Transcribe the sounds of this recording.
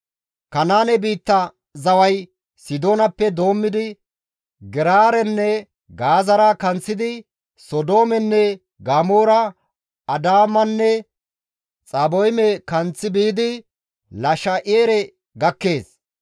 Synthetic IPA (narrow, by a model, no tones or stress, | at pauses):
kɐnaːnɛbiːt̪ːɐ | zɐwɐj | sɪd̪o̞ːnɐpːɛd̪o̞ːmːɪd̪ɪ | ɡɪɾaːɾɛnːɛ | ɡaːzɐɾakɐnt͡sːɪd̪ɪ | sɔd̪o̞ːmɛnːɛ | ɡaːmoːɾɐ | ɐd̪aːmɐnːɛ | t͡sʼɐbɔjmɛkɐnt͡sːɪbiːd̪ɪ | lɐʃɐʔeːɾɛ | ɡɐkːe̞ːs